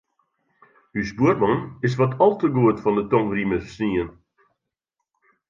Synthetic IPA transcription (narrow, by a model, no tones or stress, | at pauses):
hysbuərmɑnɪs̬ʋɔtʰɔlˠtəɡuətfɔndətɔŋriməsniən